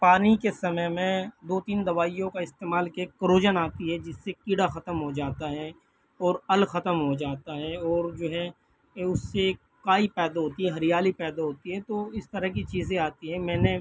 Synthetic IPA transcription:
paːnikesɐməjmẽd̪oːt̪iːnd̪ɐʋaːijõkaɪst̪eːmaːlkeːkkːəɾoːd͡ʒənaːt̪iɦɛd͡ʒɪsːekiɽaxɐt̪əmɦod͡ʒaːt̪aɦɛ | ɔːɾɐlxɐt̪əmɦod͡ʒaːt̪aɦɛɔːɾd͡ʒoːɦɛ | ʊsːe | kaːipɛːd̪aɦoːt̪iɦɛɦɐɾɪjaːlipɛːd̪aɦoːt̪iɦɛt̪oɪst̪əɾəɦkit͡ʃiːzẽaːt̪iɦɛ̃mɛ̃ːne

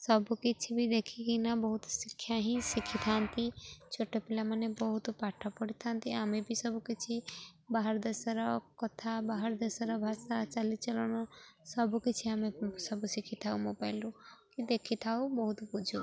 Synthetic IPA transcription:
sɔbukit͡ʃʰibʱid̪ekʰikinabɔɦut̪sikʰːjaɦĩsikʰit̪ʰant̪ʰit͡ʃʰoʈepilamanebɔɦut̪paʈʰapɔɽit̪ʰant̪iamẽbʱisɔbʱukit͡ʃʰibaɦaɾd̪əsɾɔkɔt̪ʰabaɦaɾd̪əsəɾɔbʱasat͡ʃalit͡ʃəlɔnɔsɔbukit͡ʃʰiamesɔbʱusikʰit̪ʰaumobaɪlukid̪ekʰit̪ʰaubɔɦut̪bud͡ʒʱu

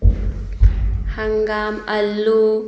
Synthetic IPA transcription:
haŋɡaːmɐlːu

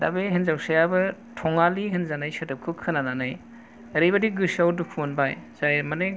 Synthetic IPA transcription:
da̰beɦenzawsajabɯtʰɔŋaliɦɯnzanajsɐtɯp̚kʰɯkʰɯnananaj | ɾɯjbadiɡɯsawdukʰunbajz̥ajmanɯ

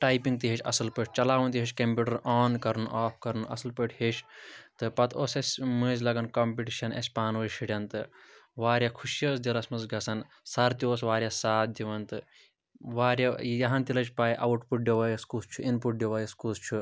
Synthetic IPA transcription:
ʈaːjpĩŋɡ̚t̪iɦit͡ʃʰʲɐ̰sɐlpɨʈʰʲt͡ʃɐlaːʋɐnt̪iɦit͡ʃʰʲkɐmpʲuːʈɐɾʔɔːnkɐɾnuʔaːpʰkɐɾnuʔɐ̰sɨlpɨʈʰhet͡ʃʰt̪ɨpɐt̪ʰoːsɐsʲmɨːzʲlɐɡɐnkɐːmpʲiʈiʃɐnɐ̰sʲpaːnʋɨʃʰiɽʲjɐnt̪ɨʋaːɾʲjaːkʰuʃijɐːsd̪ʲilɐsmɐzɡɐsɐn | sɐɾt̪ioːsʋaːɾʲjaːsaːt̪̚d̪iʋɐnt̪ɨ | ʋaːɾʲjajɐɦɐnt̪ilɐt͡ʃʰʲpaːjʔɐ̰wuʈpuʈ̚ɖʲoʋɐːjɐskust͡ʃʰuʔinpuʈ̚ɖʲjoʋɐjɐskust͡ʃʰu

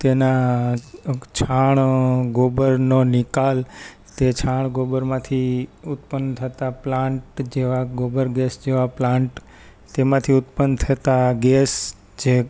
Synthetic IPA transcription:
t̪ena | t͡ʃʰaɳɡobəɾnonikal | t̪et͡ʃʰaɳ̃ɡobəɾmãt̪ʰiʊt̪̚pənt̪ʰət̪aplãɳʈd͡ʒeʋaɡobəɾɡɛsd͡ʒeʋaplãɳʈ | t̪emãt̪ʰiʊt̪pənt̪ʰət̪aɡɛs | d͡ʒe

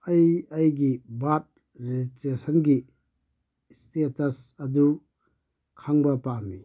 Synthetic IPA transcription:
ɐjɐjɡibat̚ | ɾiitesɐnɡi | stetɐsɐdu | kʰaŋbɐpami

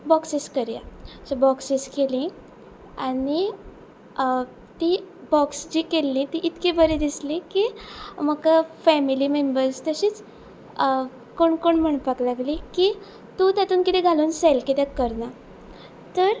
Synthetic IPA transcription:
bɔksiskəɾja̰sabɔksiskelĩ | ani | t̪ibɔksd͡ʑiːkelːĩt̪iʔit̪kebəɾed̪islĩkiməkafɛmilimembəɾst̪əɕiːt͡s | koɳkoɳm̤əɳpaklaɡliki | t̪ut̪jat̪uːnkit̪ẽɡʱaluːnselkit̪akːəɾna | t̪əɾ

